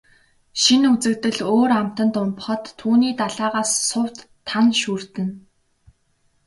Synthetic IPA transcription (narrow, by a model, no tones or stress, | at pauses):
ʃinut͡sɘ̆kt̪ɘ̆ɮoːɾam̥t̪ə̆nt̪ʊmp̆χɞ̆t̪ʰːuːniːt̪aɮaːʁaːsːʊw̥t̪ʰːanʃurt̪ɘ̆n